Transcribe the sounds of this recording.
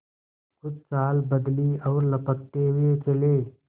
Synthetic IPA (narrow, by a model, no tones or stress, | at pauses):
kʊd͡ʒt͡ʃaːlbəd̪liɔːɾləpək̚t̪eɦʊet͡ʃɐleː